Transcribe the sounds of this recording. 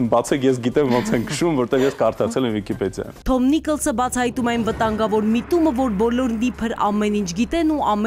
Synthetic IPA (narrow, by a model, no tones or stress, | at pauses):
bɑt͡sʰɛkjɛs̬ɡit̪ɛmvɔnt͡sʰɛŋkʰʃumvɔɾt̪ɛvjɛskɑɾt̪ʰɑɾt͡sʰɛlɛmvikipɛd̪jɑ̰nt̪ʰɔmnikəlsəbɑt͡sʰɑhɑjt̪umɛɑnvət̪ɑŋɡɑvɔɾmit̪uməvɔɾbɔlɔɾnipʰəɾɑ̰mɛnint͡ʃʰɡit̪ɛnuɑm